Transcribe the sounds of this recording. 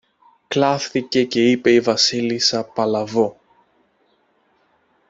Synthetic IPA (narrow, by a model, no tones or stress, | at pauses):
klɐθθice̞ce̞ipe̞ivɐsilisɐpɐlɐvo